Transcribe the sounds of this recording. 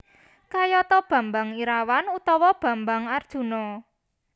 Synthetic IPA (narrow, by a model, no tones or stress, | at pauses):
kajɔt̪ɔb̥ä̤mbaŋiɾawanut̪ɔwɔb̥ä̤mbaŋard̥ʒ̥ṳnɔ